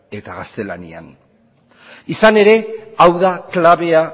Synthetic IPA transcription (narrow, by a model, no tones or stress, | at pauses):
e̞t̪aɣast̪e̞la̰nḭa̰n | isane̞ɾe̞awðaklaβe̞a